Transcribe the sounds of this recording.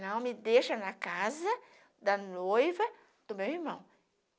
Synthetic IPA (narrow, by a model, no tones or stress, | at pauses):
nɐ̃w̃mɪd̪eʃɐnɐkazɐ | d̪ɐnojvɐ | d̪̥ʊmewiɾmɐ̃w̃